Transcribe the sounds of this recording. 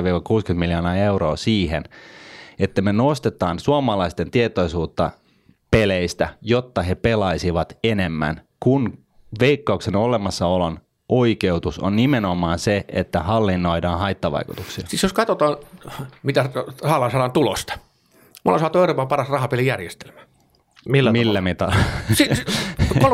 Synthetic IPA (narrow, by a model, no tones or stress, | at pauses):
ʋiːʋɑkuːskyt̪miljonɑːeuro̰ːsiːɦḛn | et̪ːæmenost̪et̪ˑɑːnsuɑmɑlɑist̪ent̪iet̪oisuːt̪ːɑ̰ | peleist̪æjot̪ːɑhepelɑisiʋɑt̪enemːæ̰nkun | ʋeikːɑuksenolemɑsːɑolon | ʔoikeut̪uso̰nːimenomɑːnseʔḛt̪ːæhɑlːinːo̞idɑːnhɑit̪ːɑʋɑ̰ikut̪uksiɑ̰sisjoskɑt̪ot̪ɑːmit̪æhɑːlɑnsɑːɑːnt̪ulo̰st̪ɑ̥ | mulːɑsɑːt̪ueuroːpɑmpɑrɑsrɑhɑpelijærjest̪e̥lmæ | milːmilːæmit̪ɑsi